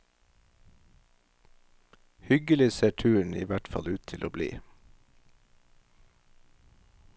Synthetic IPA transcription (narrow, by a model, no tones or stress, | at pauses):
hʏɡəlɪseːʈʰʉːəɳ̩ḭːʋæʈfɑ̰lʉːt̪ʰɪlʔoːblḭː